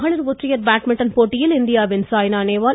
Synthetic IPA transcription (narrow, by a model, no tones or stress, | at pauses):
ɦɐɭɐɾʋot̪ɾijɐɾbaːʈmɪʈːɐnpoːʈijilɪnd̪ijaːʋɪnsaːjnaːneːʋaː